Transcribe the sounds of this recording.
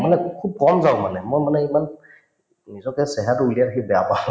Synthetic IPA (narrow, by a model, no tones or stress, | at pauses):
manɛkʰub̚kɔmzaʊ̃manɛmojmanɛiman | nizɔkɛsɛɦatuliaɾakʰibɛjapã